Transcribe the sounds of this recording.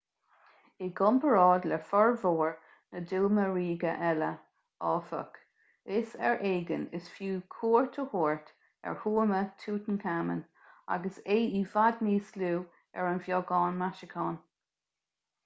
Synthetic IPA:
ɪɡɔmpʰəɹɑːdlɛfɔɹvoːɹ | nədulməɹiːɡəʔɛlə | ɔːfə̰k | ɪsɛ̰ɹʔeːɡənɪsfjuːkʰuːɹt̪ʰəhoːɹt̪ | ɛ̰ɹhuːmətʰuːt̪ənkʰamə̰n | a̰ɡəseːiːvadniːsluː | ɛ̰ɹənvjɔɡɑːnmaʃɪkʰɑːn

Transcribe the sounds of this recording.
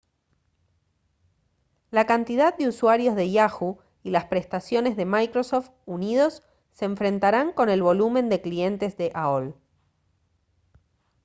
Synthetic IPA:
lakant̪iðað̚d̪euswaɾjo̞zðe̞jaxu | ilaspɾe̞st̪asjo̞ne̞zðe̞majkɾosoft̪unið̞o̞sː | eːɱfɾe̞nt̪aɾaŋko̞ne̞lβ̞o̞lumẽ̞nd̪e̞klie̞nt̪e̞zðeʔaol

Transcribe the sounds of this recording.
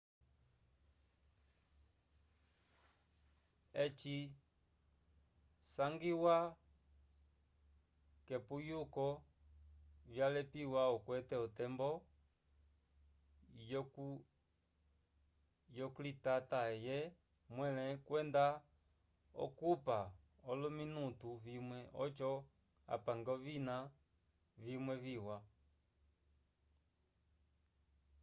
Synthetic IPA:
ɛt͡ʃi | saŋɡiwa | kɛpujukɔ | vjalɛpiwaɔkwɛtɛɔtɛmbɔ | jɔkulitataɛjɛ | mwɛlɛkwɛnda | ɔ̰kupa | ɔluminutuvimwɛʔɔ̰t͡ʃɔ | a̰paŋɡɔvina | vimwɛviwa

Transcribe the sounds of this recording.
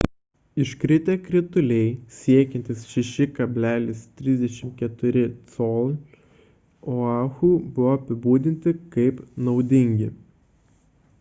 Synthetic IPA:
ɪʃkɾʲɪt̪ʲekɾʲɪt̪ʊlʲɛɪsʲiɛkʲɛnʲt̪ʲɪsʃʲɛʃʲɪkɐbʲlʲæːlʲɪst̪ʲɾʲɪzʲd̪ʲɛʃʲɪmkʲɛt̪ʊɾʲɪt̪sɔlˠ | oɑːxuːbʊʋɔɐpʲɪbuːd̪ʲɪnʲt̪ʲɪkɐɪpnɒʊd̪ʲɪŋʲɡʲɪ

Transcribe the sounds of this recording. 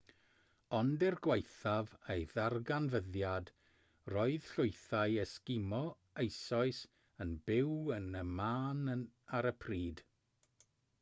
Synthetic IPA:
ɔndɛrɡwejθavejðarɡanvəðjad | rɔɨð̥ɬʊjθaɨɛskɪmɔ | ejsɔɨs | ənbɪwənəmaːnəaɾəpʰriːd̥

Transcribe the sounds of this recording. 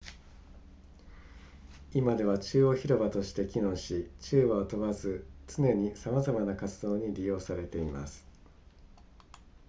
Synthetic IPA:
imad̪e̞βat͡ɕɨːo̞çiɾo̞bat̪o̞ɕi̥t̪e̞kʲinõ̞ɕit͡ɕɨːβaot̪o̞βazɨt͡sɨne̞ɲ̟isamazamanakat͡sɨd̪o̞ːɲ̟iɾʲijo̞ːsaɾe̞t̪e̞imasɨ̥

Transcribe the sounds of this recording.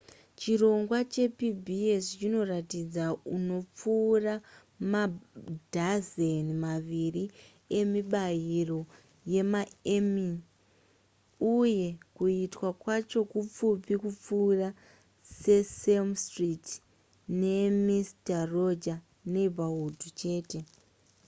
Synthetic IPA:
t͡ʃiro̞ŋɡwat͡ʃe̞pibʱiest͡ʃino̞ratid͡zauno̞p͡fuːra | madʱazenimaʋiri | e̞miɓajiro̞ | je̞maemi | uje̞kuitwakwat͡ʃo̞kup͡fupikup͡fuːra | se̞selmstrit | ne̞mistaro̞d͡ʒa | ne̞baudʱut͡ʃe̞ːte̞

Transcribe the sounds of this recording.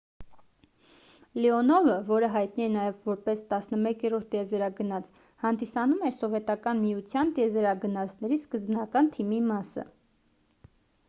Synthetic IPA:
lɛɔnɔvəvɔɾəɦɑjt̪niɛnɑjɛvvɔɾpɛst̪ɑsnəmɛkɛɾɔɾt̪ʰjɛzɛɾɑɡənɑt͡s | hɑnd̪isɑnumɛɾsɔvɛt̪ɑkɑnmijut͡sʰjɑnt̪ɛzɛɾɑɡənɑt͡sʰnɛɾiskəzbnɑkɑnt̪ʰimimɑsə̰

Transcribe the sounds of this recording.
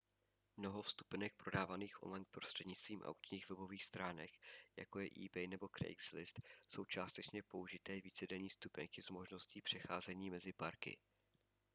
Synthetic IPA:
mno̞ɦo̞fst̪u̥pnɛk̚pɾo̞daːvaniːxʔo̞̰nlajnpɾo̞st̪r̥ɛdɲɪt͡st̪v̥iːmʔa̰wkt͡ʃɲiːxvɛbo̞viːxst̪ɾaːnɛkja̰ko̞jɛʔḭːbɛjnɛbo̞kɾɛ̰jkslɪst̪so̞wt͡ʃaːst̪ɛt͡ʃɲɛpo̞uʒɪt̪ɛːviːt͡sɛdɛɲiːst̪upɛŋkɪzmo̞ʒno̞sciːpr̥ɛxaːzɛɲiːmɛzɪpaɾkɪ̰

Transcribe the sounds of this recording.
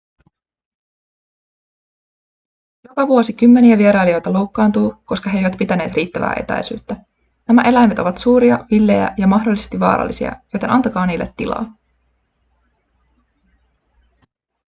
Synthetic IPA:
jo̞kɑʋuo̞sik̟ymːe̞niæʋie̞ɾɑjlio̞jt̪ɑlo̞wkːɑːnt̪uːko̞skɑɦejʋæt̪pit̪æne̞ːt̪riːt̪ːæʋæ̰ːʔe̞t̪æ̰jsy̰ːt̪ːæ | næmæʔe̞læjmet̪o̞ʋɑt̪suːɾiɑʋilːe̞jæ̰jɑmɑɦdolːise̞st̪iʋɑ̰ːɾɑ̰lːisḭɑ̰jo̞jt̪e̞nʔɑnt̪ɑkɑːniːlːe̞̰t̪ːḭlɑ̰ː

